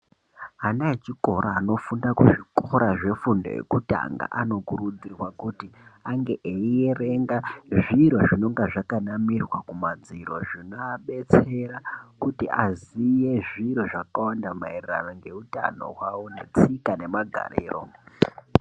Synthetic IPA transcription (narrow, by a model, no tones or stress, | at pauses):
anaet͡ʃiko̞ɾaːno̞fundakuʐikoɾaʐe̞fundo̞̰jḛkuta̰ŋɡa̰ʔano̞kuɾud͡zirwakutiaŋɡe̞ʔeijere̞ŋɡaʐiɾo̞ʐino̞ŋɡaʐakanamirwakumad͡ziɾo̞̰ʐinoaɓe̞t͡se̞ɾakutiazije̞ʐiɾo̞ʐakawandamairira̰naŋɡe̞uta̰no̞̰ɦwawone̞̰t͡sikane̞maɡʱa̰ɾḛːro̰